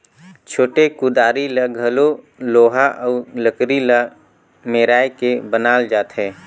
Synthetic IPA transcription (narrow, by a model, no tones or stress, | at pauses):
t͡ʃʰoːʈekʊd̪aːɾiləɡʱɦəlo | loːɦaʔɔːləkɾilə | meːɾaːjkebənaːld͡ʒaːt̪ɦɛ̃ː